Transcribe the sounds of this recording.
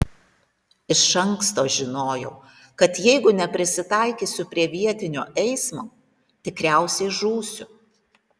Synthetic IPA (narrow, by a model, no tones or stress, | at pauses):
ɪʃɐŋkst̪oːʒʲɪnoːjɛʊ | kɐt̪jɛɪɡʊnʲɛpʲɾʲɪsʲɪt̪ɑˑɪkʲiːsʲʊpʲɾʲiɛʋʲiɛt̪ʲɪnʲoːʔɛɪsmoː | t̪ʲɪkɾʲæˑʊsʲɛɪʒuːsʲʊ